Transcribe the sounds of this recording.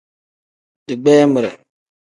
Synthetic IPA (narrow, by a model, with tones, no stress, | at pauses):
dɨ˨ɡ͡bɛː˦mə˨ɾɛ̰˨